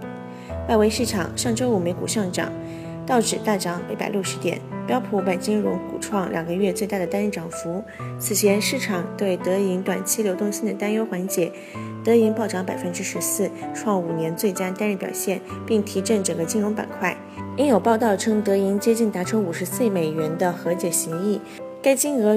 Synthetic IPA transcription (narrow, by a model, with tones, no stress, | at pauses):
wa˥˩ɪwe˧˥ɪʂɻ̩˥˩ʈ͡ʂʰɑ̰˨˩˦ŋʂɑ˥˧ŋʈ͡ʂo˥ʊu˨˩me˧˥ɪkṵ˨˩ʂɑ˥˩ŋʈ͡ʂɑ̰˨˩˦ŋ | t̪ɑ˥˩ʊʈ͡ʂɻ̩˨˩t̪a˥˩ʈ͡ʂɑ˧˥ŋpe˧˥ɪpa̰˨˩ɪlju˥˩ʊʂɻ̩˧˥t̪jɛ̰˨˩˦npjɑ˥ʊpʰu˧˥pa˨˩nt͡ɕi˥ŋɻʊ̰˧˥ŋkṵ˨˩ʈ͡ʂʰwɑ˥˩ŋlʲʔjɑ̰˨˩ŋɡə˧˦ɥɛ˥˧t͡swe˥˧ɪt̪a˥˩d̪ə˩t̪a˥nɻ̩˥˩ʈ͡ʂɑ˨˩ŋfu˧˥ | t͡sʰɹ̩˨˩t͡ɕʰjɛ˧˥nʂɻ̩˥˩ʈ͡ʂʰɑ˨˩ŋt̪we˥˩ɪt̪ɤ˧˥i˧˥nt̪wa˨˩nt͡ɕʰi˥ljo˧˥ʊt̪ʊ˥˧ŋɕi˥nd̪ə˨t̪a˥njo˥ʊxwa˧˥nt͡ɕjɛ˧˥ | t̪ɤ˧˥i˧˥npɑ˥˩ʊʈ͡ʂɑ˧˥ŋpa˨˩ɪfə˥nʈ͡ʂɻ̩˥ʂɻ̩˧˥sɹ̩˥˩ʈ͡ʂʰwɑ˥˩ŋu˨˩njɛ˧˥nt͡swe˥˩ɪt͡ɕja˥t̪a˥nɻɛ˥˩pjɑ̰˨˩ʊɕjɛ˥˩npi˥˩ŋt̪ʰi˧˥ʈ͡ʂə˥˩ŋʈ͡ʂə˨˩ŋɡə˧˦t͡ɕi˥nɻʊ˧˥ŋpa̰˨˩nkʰwa˥˩ɪ | i˥njo˨˩ʊpɑ˥˧ʊt̪ɑ˥˩ʊʈ͡ʂʰɤ˥ŋt̪ɤ˧˥i˧˥nt͡ɕjɛ˥t͡ɕi˥˩nt̪a˧˥ʈ͡ʂʰo˥ʊu˨˩ʂɻ̩˧˥sɹ̩˥˩˥me˨˩ɪɥɛ˧˥nd̪ə˧xɤ˧˥t͡ɕjɛ˨˩ɕi˧˥ŋi˥˩ | ka˥ɪt͡ɕi˥ŋɤ˧˥